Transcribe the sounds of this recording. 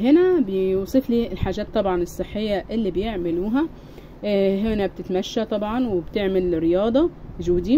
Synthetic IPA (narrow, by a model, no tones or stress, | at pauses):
ɦɪnæbejuːsˤifliːɪlħaːʒæːt̪ˤːɑbʕɑnɨsˤːɨħːɪjːaʔɪlːiːbjeʕmɪluːɦæ | ɦɪnæb̚t̪ɪt̪mæʃːæt̪ˤɑbʕɑnwɪbt̪eʕmɪlrːɪjɑːd̪ˤɑʒuːd̪iː